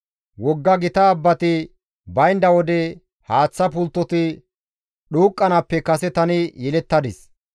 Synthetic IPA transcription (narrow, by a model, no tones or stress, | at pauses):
wɔɡːɐɡɪt̪ɐːbːɐt̪ɪ | bɐjnd̪ɐwɔd̪ɛ | haːt͡sːɐpʊlt̪ːɔt̪ɪ | ɗuːkʼːɐnɐpːɛkɐsɛt̪ɐnɪjɛlɛt̪ːɐd̪ɪs